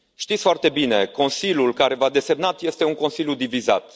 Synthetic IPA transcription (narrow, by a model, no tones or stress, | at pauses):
ʃt̪it̪sfoart̪e̞bine̞ko̞nsilʲjulkaɾe̞vad̪e̞se̞mnat̪je̞st̪e̞uŋko̞nsilʲjud̪ivizat̪